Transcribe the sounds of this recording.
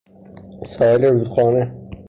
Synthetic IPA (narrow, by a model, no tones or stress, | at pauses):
sɒːeleɾuːd̪xɒːne